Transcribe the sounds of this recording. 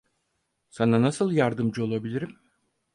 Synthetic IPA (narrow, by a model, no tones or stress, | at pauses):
sananasɯlˠjaɾd̪ɯmd͡ʒɯo̞lˠabilʲiɾim